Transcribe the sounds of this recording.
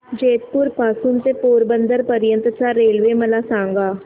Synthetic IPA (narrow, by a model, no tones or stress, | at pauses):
d͡ʒeːt̪pʊɾpaːsuːnt̪eːpoːɾbənd̪əɾpəɾɪjənt̪ɾət͡ʃaːɾːeːlʋeːməlaːsãːŋɡaː